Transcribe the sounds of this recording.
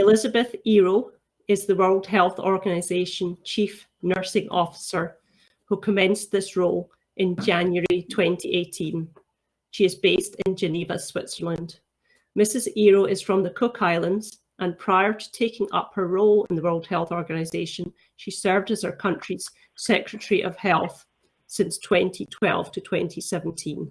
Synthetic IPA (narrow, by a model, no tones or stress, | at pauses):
ɪlˠɪzəbəθiɹo | ɪzðəwɜ˞lˠd̥̚ɦɛlˠθɔ̰ɹɡənɪzeʃə̃nt͡ʃʰif | nɜ˞sɪ̃ŋʔɔfɪ̥sə˞ | hʉkʰəmɛ̃nsðɪsɹolˠ | ʔɪ̃nd͡ʒãnjə˞itʰw̥ɛ̃ntʰiʔeʔʰĩn | ʃiɪzbestɪ̃nd͡ʒɨnivəswɪtsə˞lˠə̃nd̥ | mɪsɪziɹoɪz̥fɹə̃mðəkʰʊkʰaɪlˠə̃ndz̥ | ʔə̃npʰɹ̥aɪə˞tʰə̥tʰekɪ̃ŋʌ̰phə˞ɹolˠɪ̃nðəwɜ˞lˠd̥̚hɛlˠθɔɹɡənɨɪzeʃə̃n | ʃisɜ˞vdəz̥ə˞kʰʌ̃nt͡ʃɹ̥iz̥ | sɛkɹɨʔəɹiʔəv̥hɛlˠθ | sɪ̃nstʰw̥ɛ̃ntʰitʰw̥ɛ̰lˠv̥tʰətʰw̥ɛ̃ntʰisɛvə̃n̩tʰĩn